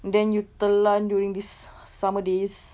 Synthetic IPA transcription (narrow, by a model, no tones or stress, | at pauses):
ndɛ̃njut̪əlanduɹĩŋdisː | amədes